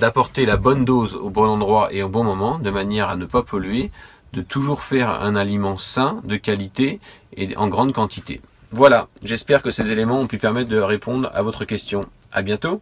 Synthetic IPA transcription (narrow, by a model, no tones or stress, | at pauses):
d̪apɔʁt̪elabɔnd̪ozobɔ̃ɑ̃d̪ʁwaʔeobɔ̃mɔmɑ̃d̪əmanjɛʁanəpapʰɔlɥe | d̪ət̪ʰuʒuʁfɛʁɛ̰̃nalimɑ̃sɛ̃d̪əkʲalit̪eeɑ̰̃ɡʁɑ̃d̪kɑ̃t̪it̪ḛ | vwalaʒɛspɛʁkəsezelemɑ̃ɔ̃pypɛʁmɛt̪̚d̪əʁepʰɔ̃d̪ʁa̰vɔt̪χəkʲɛst̪jɔ̃ | a̰bjɛ̃t̪o